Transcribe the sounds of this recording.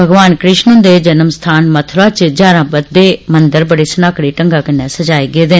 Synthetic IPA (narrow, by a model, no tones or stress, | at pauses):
bʱəɡʋaːnkɾɪʃnʊ̃d̪eːd͡ʒɐnəmst̪ʰaːnmət̪ʰɾaːt͡ʃd͡ʒaːɾãːbəd̪eːmənd̪əɾbəɽeːsənaːkɽeːʈə̃ŋɡaːkɐnːɛ̃ːsəd͡ʒaːiɡeːd̪eːn